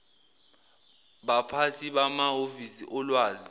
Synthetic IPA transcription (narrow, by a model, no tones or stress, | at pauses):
ɓapʰatʰiɓamaɦovisiʔɔlwaːzi